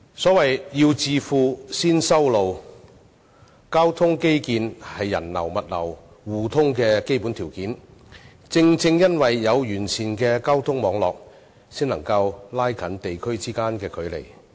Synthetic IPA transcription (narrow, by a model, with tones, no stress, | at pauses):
sɔː˨˥wɐ˨jji˧wt͡siː˨˧fuː˨˧siː˥nsɐ˥wlo˨w | kaː˥wt̪ʰʊ˥ŋke˥jkiː˨˧nhɐ˨jːɐ̰˨˩nlɐ̰˨˩wmɐ˨t̚lɐ̰˨˩w | wuː˨˩t̪ʰʊ˥ŋkɛː˧ke˥jpu˨˥nt̪ʰiː˨˩wkiː˨˥n | t͡sɪ˧ŋt͡sɪ˧ŋjɐ˥nwɐ˨jːɐ˨˧wjyː˨˩nsʰiː˨˩nkɛː˧kaː˥wt̪ʰʊ˥ŋmɔː˨˧˥ŋlɔ̰ː˨k̚ | siː˥nlɐ˨˩ŋkɐ˧wlaː˥jkʰɐ˨˥nt̪e˨jkʰɵ˥ɥt͡siː˥kaː˥nkɛː˧kʰɵ˨˥ɥlḛ˨˩j